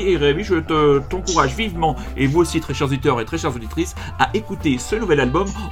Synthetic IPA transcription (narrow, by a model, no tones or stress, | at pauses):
eʁeaviʒət̪ət̪ɑ̃kuʁaʒvivmɑ̃ | evuosit̪χɛʃɛʁzod̪it̪œʁet̪χɛʃɛʁzod̪it̪χis | aʔekut̪esənuvɛlalbɔm